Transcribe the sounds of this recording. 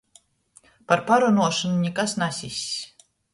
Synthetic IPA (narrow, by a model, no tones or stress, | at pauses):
paɾpaɾɔnuɔʃɔnunʲɛkasnasʲisʲ